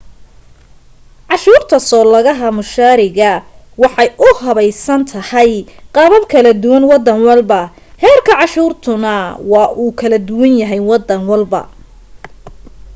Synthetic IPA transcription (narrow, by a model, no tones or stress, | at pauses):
ʕɑʃuːrt̪ʰɐsɔːlɐɣɐɦɐmʊʃaːɾɪɣɐ | wɑħɑjʔʊhɐβɛjsɐnt̪ʰɐhɐjqɑːβɐbkʰɐlɐd̪ʊwɐnwɑd̪ːɐŋwɑlbɐ | hɛːrkʰɐʕɑʃuːrt̪ʰʊnɐwɑːʔuːkʰɐlɐd̪ʊwɐnjɐɦɛjwɑd̪ːɐŋwɑlbɐ̰